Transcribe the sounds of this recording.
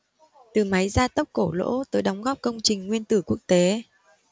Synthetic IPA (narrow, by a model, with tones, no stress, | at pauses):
t̪ɨ˨˩ma˨˦jzaː˧t̪ə˦˥p̚ko˧˩lo̰˧˥t̪əː˨˦jɗɔ˨˦wŋ͡mɣɔ˦˥p̚kə˧wŋ͡mt͡ɕï˨˩ŋ̟ŋwi˧ənt̪ɨ˧˩ku˦˥ək̚t̪e˨˦